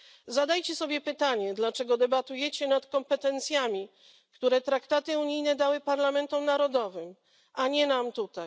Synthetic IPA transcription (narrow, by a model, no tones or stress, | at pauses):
zad̪ajt͡ɕɛsɔbʲjɛpɘt̪aɲɛd̪lat͡ʂɛɡɔd̪ɛbat̪ujɛt͡ɕɛnat̪kɔmpɛt̪ɛnt̪sʲjamʲi | kt̪uɾɛt̪ɾakt̪at̪ɘuɲijnɛd̪awɘpaɾlamɛnt̪ɔmnaɾɔd̪ɔvɘm | ʔaɲɛnamt̪ut̪aj